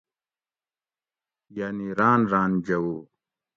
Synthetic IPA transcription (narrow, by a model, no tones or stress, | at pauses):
jaːniɾaːnɾaːnd͡ʑɐwoː